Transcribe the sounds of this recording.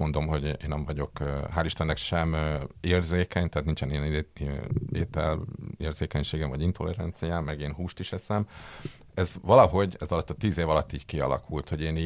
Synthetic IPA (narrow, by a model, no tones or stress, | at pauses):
ond̪o̞mɦo̞ɟeːnːɛɱvɒɟo̞køɦaːliʃt̪ɛnːɛkʃɛmeːrzeːkɛɲt̪ɛɦat̪nint͡ʃɛnijɛn | eːt̪ɛ̰leːrz̥eːkɛɲʃeːɡɛɱvɒɟint̪o̞lɛɾɑnt̪sijaːmːɛɡeːnɦuːʃt̪iʃɛsɛm | ɛzʋɒlɒɦo̞ɟɛzɒlɒt̪ːɒt̪iːzeːvɒlɒt̪ːiːɟkiɒ̰lɒ̰kʰult̪ho̞ɟeːni